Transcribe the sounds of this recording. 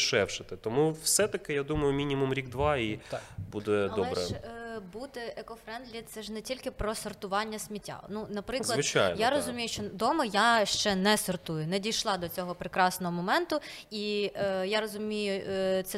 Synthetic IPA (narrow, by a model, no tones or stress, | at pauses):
ʃɛwʃɪt̪ɪt̪ɔmuwsɛt̪ɐkɪjad̪umɐjʊmʲinʲimumɾʲiɡd̪ʋɑibud̪ɛdɐɔɛbɾɛ̰bud̪ɛɛkɔfɾɛnd̪lʲit̪sɛʒnɛtʲilʲkɪpɾɔsɔrt̪ʊʋɑnʲːɐsʲmʲitʲːa̰nunɐpɾɪzklˠɐʋt͡ʃajnjaɾɔzʊmʲijʊʃt͡ʃɔd̪ɔmɐjaʃt͡ʃɛnɛsɔrt̪ujʊnɛdʲijʃlˠɑd̪ɔt͡sʲɔɦɔpɾɪkɾɑsnɔɦɔmɔmɛnt̪ʊ | ijaɾɔzʊmʲijʊt̪sɛ